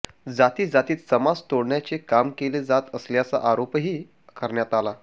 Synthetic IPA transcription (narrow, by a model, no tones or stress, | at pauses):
d͡zat̪iːd͡zat̪iːt̪səmad͡zt̪oɽɳjat͡sekamkeled͡zat̪əsljat͡sa̰ʔaɾopɦiː | kəɾɳjat̪ala